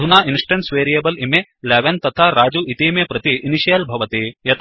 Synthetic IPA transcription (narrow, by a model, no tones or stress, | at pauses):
unaːinsʈɐɳʈsʋeːɾijebɐlimeleːʋent̪ɐt̪ʰaɾaːd͡ʒuit̪iːmjɐpɾɐt̪iʔːniʃijɐlbʱɐʋɐt̪ijɐt̪ʰ